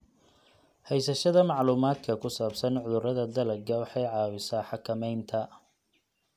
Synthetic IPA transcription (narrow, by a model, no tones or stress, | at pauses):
hɛjsɐʃɐðɐmɑʕluːmaːd̪kʰɐkʰʊsaːbsɐnʕʊðʊɾɐðɐd̪ɐlɐɡɐwɑħɑjʕɑːwɪsaːħɑkʰɐmɛjnt̪ʰɐ